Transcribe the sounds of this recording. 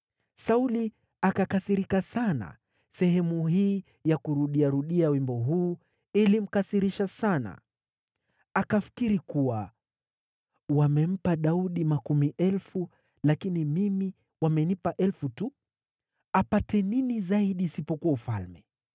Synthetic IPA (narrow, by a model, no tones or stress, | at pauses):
sauli | akakasiɾikasana̰ | sɛhɛmuɦiː | jakuɾuɗiaɾuɗiawimbɔɦuː | ilim̩kasiɾiʃasana̰ | akafi̥kiɾikuwa | wamɛm̩paɗauɗimakumiʔɛlfu | lakinimimi | wamɛnipaʔɛlfutu | apatɛninizaiɗiːsipɔkuwaufa̰lmɛ